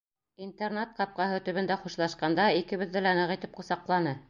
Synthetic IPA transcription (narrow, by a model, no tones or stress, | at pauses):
int̪ernet̪̚qɑp̚qɑɦɤt̪ɵ̆βɘ̆nd̪æχuʃlˠɑʃqɑnd̪ɑikɘ̆βɘ̆ðːɘlænɤʁit̪ɘp̚qŏsɑqlˠɑnɤ